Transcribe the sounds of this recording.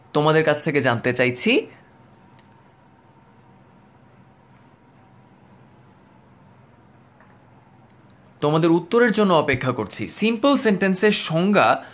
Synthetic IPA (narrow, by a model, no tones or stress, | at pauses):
t̪omad̪eɾkat͡ɕʰt̪ʰeked͡ʑant̪et͡ɕajt͡ɕʰi | t̪omad̪eɾut̪ːoɾeɾd͡ʑonːoɔpekʰːakoɾt͡ɕʰḭsimpolsenʈenseɾʃɔŋɡa